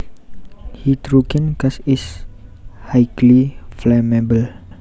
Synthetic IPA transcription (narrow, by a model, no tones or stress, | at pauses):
hit̪ɾukɛ̃nkasɪs | hajkliflɛmɛbəl